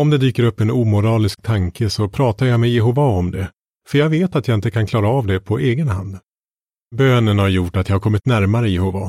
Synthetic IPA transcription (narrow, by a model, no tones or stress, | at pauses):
ɔmd̪ɛd̪yːkəɾɵpːɛnuːmʊɾɑːlɪsk̚t̪ʰaŋkʰəsɔpʰɾɑːt̪ajamɛjɛɦʊːvaɔmd̪ɛ | fœɾjaːɡveːt̪at̪jɑɪnt̪əkʰankʰlɑːɾaɑvd̪ɛpʰɔʔeːɡənɦa̰nd̪ | bøːnənhaɾjʊʈːat̪jɑhaɾkʰɔmːɪt̪næɾmaɾəjɛhʊːva̰